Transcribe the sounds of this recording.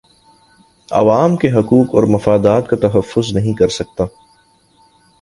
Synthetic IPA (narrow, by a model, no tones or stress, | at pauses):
ɐ̰ʋaːmkeɦɐkuːkɔ̰ːɾmɐfaːd̪aːt̪̚kat̪ɐɦɐfːʊznɐɦĩkɐɾsɐk̚t̪aː